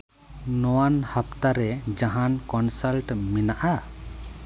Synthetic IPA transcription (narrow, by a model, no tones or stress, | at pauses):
nɔwanhapt̪aɾɛd͡ʒaɦankɔnsalʈminaʔa